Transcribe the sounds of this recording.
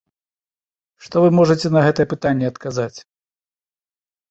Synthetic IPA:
ʂt̪ɔvɨmɔʐɐt͡sʲɛnɐɣɛt̪ɐjɛpɨt̪anʲːɛɐt̪kazat͡sʲ

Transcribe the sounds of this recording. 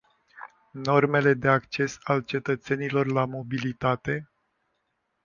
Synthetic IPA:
no̞rme̞le̞d̪e̞akt͡ʃe̞salt͡ʃe̞t̪ət̪se̞nilo̞rlamo̞bilit̪at̪e̞

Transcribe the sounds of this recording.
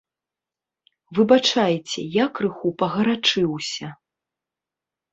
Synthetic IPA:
vɨbat͡ʂajɛt͡sʲɛjakrɨxupɐɣɐɾat͡ʂɨwsʲɐ

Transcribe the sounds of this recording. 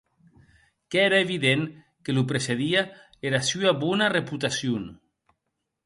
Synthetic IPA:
keeɾaeβiðeŋ | kelupɾeseðia | eɾasyaβunareput̪asjun

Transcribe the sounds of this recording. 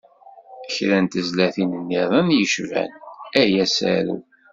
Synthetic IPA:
əçɾænt̪əzlæθinənːiðˤɑnjəʃvæ̰næjæsæ̰ɾṵ

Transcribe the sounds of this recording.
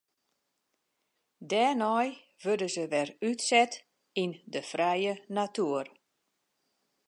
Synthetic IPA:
dɛːnɔj | ʋødəzəʋɛrytsɛt | indəfrɛjənatuər

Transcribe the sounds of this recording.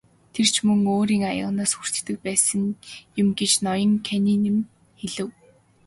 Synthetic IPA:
t̪ʰer̥t͡ɕʰmɵŋoːɾiːŋajə̰̆ʁnaːsxur̥t͡ɕ̪t̪ɘ̆k̚pæːsə̆ŋjʊmɡet͡ɕnɔjɞ̆ŋkʰæniːnem | xeɮɘ̆w

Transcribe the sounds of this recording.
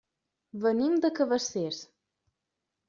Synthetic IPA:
βənimd̪əkəβəses

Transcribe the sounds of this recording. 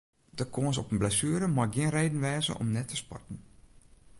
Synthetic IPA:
d̥əkʰoənsɔpənblɛsyːəɾəmaɡɪənrejdən̩ʋɛːzə̰ʔɔ̰mnɛtʰəspɔ̰tn̩

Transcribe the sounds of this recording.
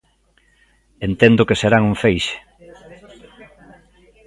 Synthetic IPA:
ent̪end̪ʊkeseɾaŋuɱfejʃe̥

